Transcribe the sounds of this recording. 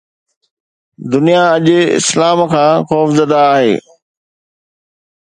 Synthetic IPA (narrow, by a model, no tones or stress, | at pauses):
d̪ʊnijaɐʄʊɪ̰slaːmkʰãːxɔːfzəd̪aːɦḛː